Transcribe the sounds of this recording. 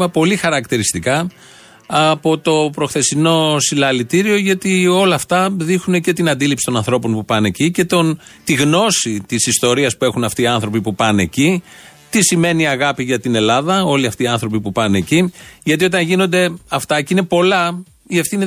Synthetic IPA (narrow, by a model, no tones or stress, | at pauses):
ɐpo̞lixɐɾɐkt̪iɾist̪ikɐː | po̞t̪o̞pɾo̞xθe̞st̪ino̞silɐlit̪iɾio̞ʝɐt̪io̞lɐːft̪ɐðixune̞ce̞t̪inɐnd̪ilipsi̥t̪o̞nɐ̃nθɾo̞po̞npupɐne̞cice̞t̪ont̪iɣno̞sit̪isist̪o̞ɾiɐspuexunɐft̪iːɐnθɾo̞pipupɐne̞̰cit̪isime̞niiɐɣɐpiʝɐt̪ine̞lɐðɐo̞liɐft̪iːɐnθɾo̞pipupɐne̞ciʝɐt̪io̞t̪ɐnʝino̞nd̪e̞ɐft̪ɐceine̞po̞lɐ | ie̞fθini